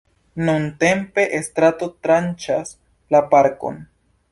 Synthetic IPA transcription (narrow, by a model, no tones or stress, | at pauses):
nunte̞mpe̞ʔest̪ɾato̞t̪ɾant͡ʃas | lapaɾko̞̰n